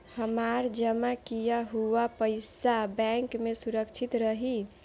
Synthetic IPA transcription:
həmaɾd͡ʒəmakijaɦuapəjsabɛ̃ŋkmesuɾəkt͡ʃʰit̪ɾəɦi

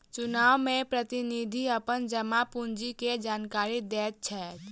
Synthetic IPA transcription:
t͡ʃʊnaːwmẽpɾət̪inid̪ʱiəpənd͡ʒəmapund͡ʒiked͡ʒaːnkaːɾid̪eːt̪̚t͡ʃʰɛt̪

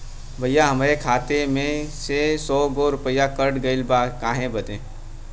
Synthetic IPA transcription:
bʱəjaɦɐmaɾekʰaːt̪emẽsesɔːɡoɾʊpəjakəɾɽɡəɪlbaːkãːɦẽbɐd̪ẽː

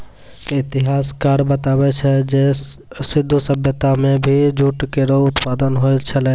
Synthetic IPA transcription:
ɪt̪ɪɦaːskaːɾbət̪aːbɛt͡ʃʰɛd͡ʒesɪd̪ʱːusəbʱjət̪amẽbʱid͡ʒuʈkeɾoʊt̪paːd̪ənɦoet͡ʃʰəlɛ

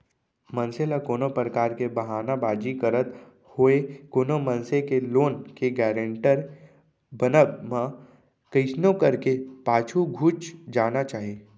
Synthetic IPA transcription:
mə̃nselakoːnopɾəkaːɾkebɐɦaːnabaːd͡ʒikəɾət̪ | hoːekoːnomə̃nsekeloːnkeɡɛːɾə̃ɳʈəɾ | bənəmã | kəɪsnõkɐɾkepaːt͡ʃʰuɡʱuːt͡ʃd͡ʒaːnat͡ʃaːɦeː

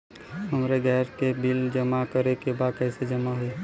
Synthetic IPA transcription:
ɦəmɾeɡʱɛːɾkebild͡ʒəmakəɾekebaːd̪̚kɛɪsed͡ʒəmaɦʊi

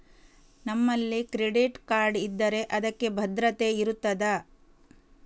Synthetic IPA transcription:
nɐmːɐlːikɾeɖiʈkaːɾɖid̪ːɐɾe̞ʔɐd̪ɐkːe̞bʱɐd̪ɾɐt̪e̞iɾut̪ːɐd̪ɐ

